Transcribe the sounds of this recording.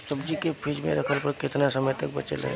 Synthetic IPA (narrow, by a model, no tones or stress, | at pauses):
səbd͡ʒikepʰid͡ʒmḛ̃ɾɐkʰəlpəɾkɪt̪nasəməjt̪ək̚bət͡ʃə̰lɦɛ̰